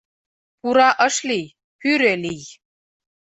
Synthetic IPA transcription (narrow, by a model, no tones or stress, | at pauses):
puɾɑʔəʂlij | pyɾɘlij